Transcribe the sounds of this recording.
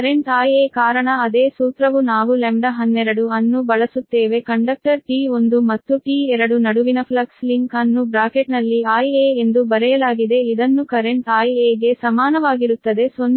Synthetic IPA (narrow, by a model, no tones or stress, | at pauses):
ɐɾeɳʈaːjekaːɾɐɳɐɐd̪eːsuːt̪ɾɐʋunaːʋulemɖɐɦɐnːɛɾɐɽuɐnːubɐɭɐsut̪ːeːʋe̞kɐɳɖɐk̚ʈɐɾʈiːo̞nd̪umɐt̪ːuʈiːɛɾɐɽunɐɽuʋinɐpʰlɐksliŋkɐnːubɾaːkeʈnɐlːiaːjeːend̪ubɐɾɛjɐlaːɡid̪e̞id̪ɐnːukɐɾeɳʈaːjeːɡe̞sɐmaːnɐʋaːɡiɾut̪ːɐd̪e̞son